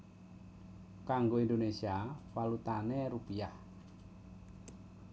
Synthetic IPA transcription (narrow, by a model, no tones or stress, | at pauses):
kaŋɡoind̪onesiawalut̪aneɾupiah